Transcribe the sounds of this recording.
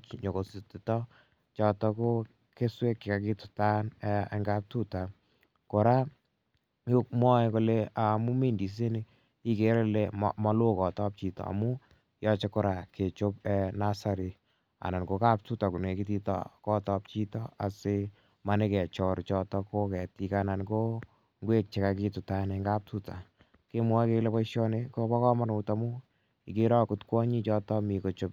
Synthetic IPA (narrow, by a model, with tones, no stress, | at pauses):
t͡ʃɲo˨ko˨si˨ti˨tɔ˦ | t͡ʃɔ˧tɔ˦ko˦ | ke˦swe˦kːɪ˨ka˨ki˦tʊ̥ta˦nɛe˦ŋɡa˦p̚tu˦ta˨ | ko˨ɾa˦ | o˦k̚mwɔ˦ɛ˦ko˦lea˨mu˦mi˦ndi˨s̬e˦ni | i˦ke˨˦ɾe˦lḛ˦mɔ˦lo˦kɔ˨tɔ˦p̚t͡ʃi˨tɔ̰˨a̰˨mu˦ | jɔ˦t͡ʃe˦koɾa˨ke˨t͡ʃo˦pɛ˨na˦sa˨ɾi˨ | a̰˨na˨nko˦ka˦p̚tu˦ta˨ku˨ne˨ki˦ti˦tɔ̰˨kɔ˦tɔ˦p̚t͡ʃi˦tɔ˦a˨se˦ | ma˨˦ne˦kɛ˨t͡ʃɔ˨ɾt͡ʃɔ˦tɔ˦ko˦kɛ˨ti˨kana˨nko˦ | ŋɡwe˦k̚t͡ʃe˨ka˧ki˦tu˨ta˨ne˨˦ŋɡa˦p̚tu˦ta˨ | ke˦m˦a˦ke˦le˦pɔ˦ʃɔ˦ne˦ko˦bɔ˦kɔ˦ma˦nu˨ta˦mu˦ | i˨ke˦ɾɔ˦ku˦tkwɔ˦ɲi˦t͡ʃɔ˦tɔ˦mi˨ko˨t͡ʃo˦p̚